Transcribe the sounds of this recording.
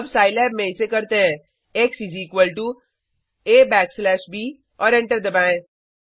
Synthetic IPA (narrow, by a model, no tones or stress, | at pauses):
bsaːɪlɛːbmẽɪsekɐɾt̪eɦɛ̃ | eksisiːkʋəlʈu | eːbɛːkslɛːʃbiː | ɔːɾɛ̃ɳʈəɾd̪ɐbɛ̃ː